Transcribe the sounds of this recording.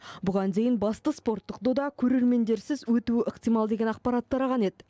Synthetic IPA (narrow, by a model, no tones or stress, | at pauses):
bʊʁɑnd̪e̞jɪnbɑst̪əspo̞ɾt̪ːə̥q̚d̪od̪ɑkʲʰɵɾe̞ɾme̞nd̪e̞ɾsɪzwɵt̪uɪʔəqt̪ijmɑlˠd̪e̞ɡʲe̞nɑq̚pɑɾat̪ːɑɾɑʁɑne̞d̪ɪ